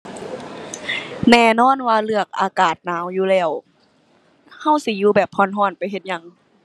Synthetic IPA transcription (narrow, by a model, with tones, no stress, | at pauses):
nɛː˧˩nɔː˧˥˨nwaː˧lɯ˧˩ɐək̚ʔaː˧kaː˨˩t̪̚naː˨˦wjuː˧˦lɛː˧˩w | ha˧˥˩wsi˧˦juː˧bɛː˨˩pʰːɔ˧˨nɦɔː˧˩npa˨jɦe˧t̪̚ɲa˧ŋ